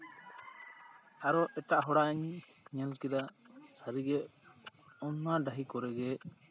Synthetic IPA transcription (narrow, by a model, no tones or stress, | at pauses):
aɾɔʔɛʈaʔɦɔɽaʔɲɲɛlkɛd̪asaɾiɡɛ | ɔnːaɖaɦikɔɾɛɡɛ